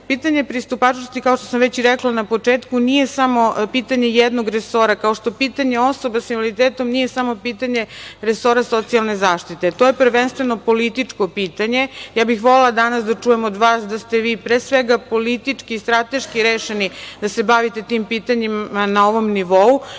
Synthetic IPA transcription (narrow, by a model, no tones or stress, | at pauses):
piːt̪aɲe̞pɾist̪upat͡ʃnost̪ikaoʃt̪osamʋet͡ɕiɾɛklanapot͡ʂeːt̪kunije̞samo̞piːt̪aɲejɛd̪noɡɾeso̞ɾakao̞ʂt̪o̞piːt̪aɲe̞o̞so̞basiʋolit̪eːt̪o̞mnije̞samo̞piːt̪aɲe̞ɾeso̞ɾaso̞t̪sijalˠne̞zaːʃt̪it̪e̞t̪oje̞pɾ̩ʋenst̪ʋeno̞po̞lit̪it͡ʂko̞piːt̪aɲe̞jaːbixʋolelad̪anasd̪at͡ʂujemod̪ʋaːsd̪ast̪eʋiːpɾesʋeɡapo̞lit̪it͡ʂkiiːst̪ɾat̪e̞ʃkiɾeːʃenid̪asebaʋit̪e̞t̪iːmpiːt̪aɲimanaoʋo̞mniʋo̞u